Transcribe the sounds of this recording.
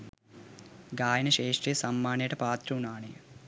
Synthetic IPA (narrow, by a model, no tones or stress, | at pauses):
ɡaːjɐnɐʃeːʂʈrijəsamːaːnejəʈəpaːt̪rɐunaːnejə